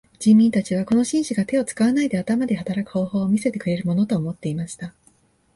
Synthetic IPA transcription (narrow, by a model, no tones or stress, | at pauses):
d͡ʑĩmːʲĩnt̪at͡ɕiβ̞ako̞no̞ɕĩɰ̃ɕiɡat̪e̞o̞t͡sɨ̥kaβanaid̪e̞at̪amad̪e̞hat̪aɾakɯ̟ho̞ːho̞ːmʲise̞t̪e̞kɯ̟ɾe̞ɾɯ̟mo̞no̞t̪o̞ːmo̞t̪ːe̞imaɕi̥t̪a